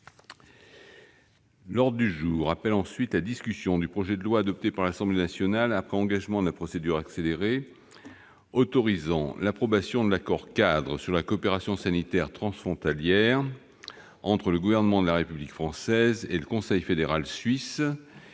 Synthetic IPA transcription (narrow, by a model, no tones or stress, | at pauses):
lɔʁd̪d̪yʒuːʁapɛlɑ̃sɥit̪lad̪iskʲysjɔ̃d̪ypχɔʒɛd̪əlwaːd̪ɔp̚t̪epaʁlasɑ̃blenasjɔnalapχɛɑ̃ɡaʒmɑ̃d̪əlapχɔsed̪yʁakseleʁe | ɔt̪ɔʁizɑ̃lapχɔbasjɔ̃d̪əlakɔʁkad̪ʁəsyʁlakɔːpeʁasjɔ̃sanit̪ɛʁt̪χɑ̃sfχɔ̃t̪aljɛʁ | ɑ̃t̪χələɡuvɛʁnəmɑ̃d̪əlaʁepyblikfχɑ̃sɛzeləkɔ̃sɛjfed̪eʁalsɥis